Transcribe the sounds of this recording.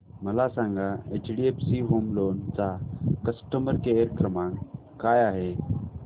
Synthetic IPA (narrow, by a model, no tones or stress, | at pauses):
məlasãŋɡaet͡ɕɖiepsiɦomlont͡sakəsʈəməɾkejəɾkɾəmãŋ | kajaɦe